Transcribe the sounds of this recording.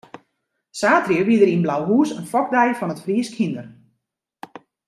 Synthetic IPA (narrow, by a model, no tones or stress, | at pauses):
saːtriəʋidəɾinblawɦuːsənfɔk̚dɛjəfɔnətfriəskʰhindər